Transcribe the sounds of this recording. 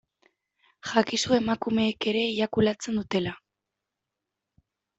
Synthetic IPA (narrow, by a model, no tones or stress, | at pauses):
xakisue̞makume̞ːke̞ɾe̞iɾakulat͡se̞nd̪ut̪e̞la